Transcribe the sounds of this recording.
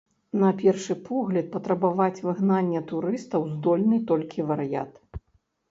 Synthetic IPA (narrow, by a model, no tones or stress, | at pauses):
nɐpʲɛrʂɨpʰɔɣlʲɐt̪̚pɐt̪ɾɐbavat͡sʲvɨɣnanʲːɛt̪uɾɨst̪ɐwzd̪ɔlʲnɨt̪ɔlʲkʲivɐɾɨja̰t̪